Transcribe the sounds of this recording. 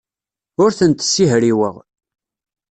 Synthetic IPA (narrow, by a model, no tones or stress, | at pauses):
ʊɾθənt̪sːiɦɾiwə̰ʁ